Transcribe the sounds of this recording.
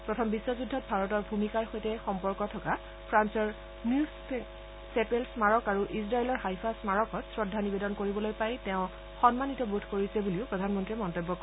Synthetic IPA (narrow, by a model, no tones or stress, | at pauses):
pɹɔtʰɔmbisːɔzudʱːɔt̚bʱaɹɔtɔɹbʱumikaɹxojtɛxɔmpɔɹkɔtʰɔka | pʰɹansɔɹ | nu | sɛpelsmaɹɔkaɹuʔisɹajlɔɹɦajpʰasmaɹɔkɔtsɹɔdʱːanibedɔnkoɹibɔlojpajtɛʊ̃ | xɔnmanitɔbudʰʱkoɹisɛbuliʊpɹɔdʱanmɔntɹimɔntobːɔk